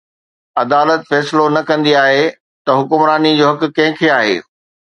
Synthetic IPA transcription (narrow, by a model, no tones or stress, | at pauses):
ɐd̪aːlət̪fɛːslonɐkɐ̃nd̪iaːɦe | t̪ɐɦʊkʊmɾaːnid͡ʑoːɦɐk̆kɐ̃ɦɪ̃kʰeaːɦḛː